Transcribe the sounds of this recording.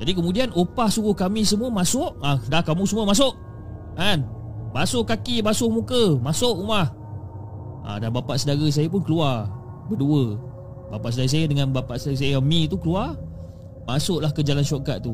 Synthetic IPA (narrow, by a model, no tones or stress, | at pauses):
d͡ʒadik̬əmudianopahsuɣʊhkamis̬əmuəmasʊʔadahkamũsəmuəmas̬ʊʔ | ʔanbasʊʔkːakibasʊʔmukəmasʊʔumah | ʔa̰danbapaʔsədaɣəs̬ajap̬ʊnkəluar | bəduə | bapaʔsədaɣəs̬ajadəŋanbapaʔsəaəs̬ajəamĩt̪ukəlua | masʊʔlahkəd͡ʒalanʃokaʔ̪̚t̪u